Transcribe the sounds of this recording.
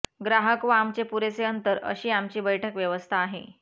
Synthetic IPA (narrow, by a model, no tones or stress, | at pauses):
ɡɾaɦəkʋəamt͡ɕepuɾet͡seənt̪əɾə̰ɕiːamt͡ɕiːbəjʈʰəkʋjəʋəst̪ʰaːɦḛ